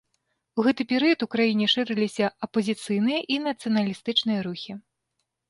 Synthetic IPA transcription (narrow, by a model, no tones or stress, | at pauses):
uɣɛt̪ɨpʲɛɾɨjɐt̪ukɾajinʲɛʂɨɾɨlʲisʲɐɐpɐzʲit̪sɨjnɨjɐʔinɐt̪sɨjɐnɐlʲist̪ɨt͡ʂnɨjɐɾuxʲi